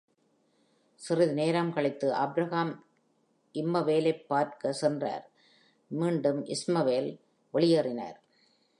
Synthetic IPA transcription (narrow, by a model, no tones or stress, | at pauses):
sɪrɪðɯneːɾaːmkɐɭɪt̪ːɯʔɐbɾɐɣaːm | ʔɪmːɐʋeːlɐɪpːaːɾkɐsɛndra̰ːɾ | miːɳɖɯmʔɪsmɐʋeːl | ʋɐɭɪjɐrɪna̰ːɾ